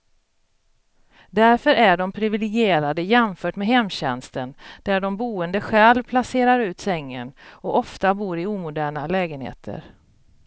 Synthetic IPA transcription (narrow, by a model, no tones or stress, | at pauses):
d̪æɾfœɾæɖɔmpʰɾɪvɪlɪɡɪeːɾad̪əjɛmfœːʈmeɦɛmːɕɛ̰nst̪ənd̪̥æɖɔmbuːənd̪əɧɛːlpʰlaseːɾaɾʉ̟ːt̪sɛŋːə̰nɔʔɔft̪abuːɾɪuːmʊd̪æːɳalɛːɡənhḛːt̪ʰə̰ɾ